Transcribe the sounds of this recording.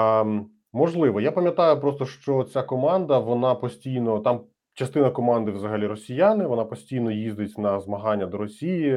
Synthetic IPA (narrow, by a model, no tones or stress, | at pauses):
mɔʒlˠɪʋɔjapɐmʲjɐt̪ɑjʊpɾɔst̪ɔʃt͡ʃɔt͡sʲakɔmɑnd̪ɐʋɔnɑpɔsʲtʲijnɔt̪ɑm | t͡ʃɐst̪ɪnɐkɔmɑnd̪ɪʋzɐɦɐlʲiɾɔsʲijanɪʋɔnɑpɔsʲtʲijnɔjizd̪ɪtʲnɐzmɐɦɑnʲːɐd̪ɔɾɔsʲiji